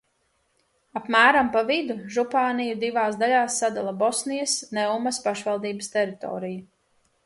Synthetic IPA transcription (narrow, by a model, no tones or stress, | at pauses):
apmæːɾampavid̪uʒupaːnijud̪ivaːsd̪aʎʲaːsːad̪alˠabɔsnijɐsnɛwmaspaʃvalˠd̪iːbəst̪ɛɾit̪ɔ̰ːɾiju